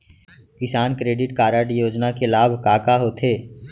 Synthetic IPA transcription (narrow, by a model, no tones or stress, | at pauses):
kɪsaːnkɾeːɖɪʈkaːɾaʈjoːd͡ʒnakelaːbʱkaːkaɦoːt̪ʰeː